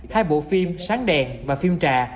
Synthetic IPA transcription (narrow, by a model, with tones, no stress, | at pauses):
t̪ʰaː˧jɓo̰˧˨fi˧msaː˨˦ŋɗɛ˨˩nvaː˨˩fi˧mt͡ɕaː˨˩